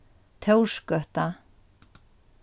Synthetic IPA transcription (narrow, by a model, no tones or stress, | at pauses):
t̪ʰœwʂkœht̪a